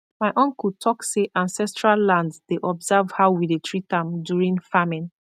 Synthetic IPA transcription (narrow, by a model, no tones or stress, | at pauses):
maɪʔɔ̃ŋkutʰɔkseʔãnsɛstɹalːãndsdeʔɔbzavhaʊwidetʰɹitãmdjuɹĩŋfamĩn